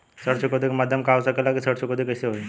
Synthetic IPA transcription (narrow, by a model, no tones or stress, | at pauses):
səɽt͡ɕokəd̪ikmad̪ʱjəmkawsəkelakisəɽt͡ɕʰokəd̪ikəseɦoj